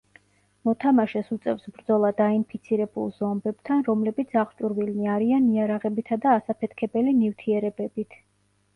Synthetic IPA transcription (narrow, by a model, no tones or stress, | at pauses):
mɔt̪ʰamaʃɛsut̪sʼɛfsbɾd̪zɔlˠad̪ainpʰit̪sʰiɾɛbṵlˠz̥ɔmbɛbt̪ʰanɾɔmlɛbit̪sʰaχt͡ʃʼuɾvilniaɾianiaɾaʁɛbit̪ʰad̪aːsapʰɛt̪ʰkʰɛbɛlinift̪ʰiɛɾɛbɛbit̪ʰ